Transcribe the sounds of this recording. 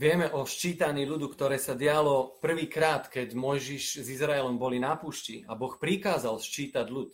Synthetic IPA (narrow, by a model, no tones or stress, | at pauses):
ʋɪɛmɛʔɔʃt͡ʃiːt̪aɲiːʎud̪ukt̪ɔɾɛːsaɟɪalɔpr̩ʋiːkɾaːt̪kɛɟmɔjʒiʃzizɾaɛlɔmbɔlinapuːʃciabɔxpɾikaːzalʃt͡ʃiːt̪aɟlut̪